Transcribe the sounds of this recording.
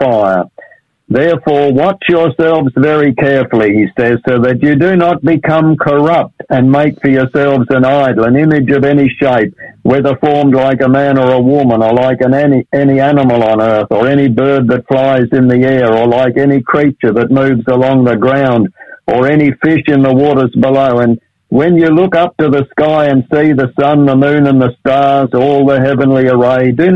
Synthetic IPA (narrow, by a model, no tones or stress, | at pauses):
faɪə˞ | ðɛɹfɔɹwɑt͡ʃjə˞sɛlˠvzvɛɹikʰɛɹfl̩ˠiisɛz̥soʊðɨt͡ʃɨdɨnət̚b̥ɨkʰʌ̃mkʰə˞ʌp̚tɨ̃nmeɪkfə˞jə˞sɛlˠvzɨ̃naɪɾl̩ˠə̃nɪ̃mɨd͡ʒʌvɛniʃeɪp̚wɛðə˞fɔɹmdˡlaɪkəmæ̃nə˞əwʊmə̃nə˞laɪkɨ̃nɛniænəml̩ˠə̃nɜ˞θə˞ɛɾ̃ibɜ˞d̪̚ðɨtflaɪzɨ̃nðiɛɹə˞laɪkɛnikʰɹ̥it͡ʃə˞ðɨt̚mʉvzəlɔ̃ŋðəɡɹãʊ̃ndʔə˞ɛnifɪʃɨ̃nðəwɔɾə˞zbəloʊɨ̃n | wɨ̃njɨlʊkʌp̚tɨðəskaɪɨ̃nsiðɨsʌ̃nðəmʉ̃nə̃nðəstɑɹzɔlˠðəɦɛvɨ̃nliə˞eɪdɨ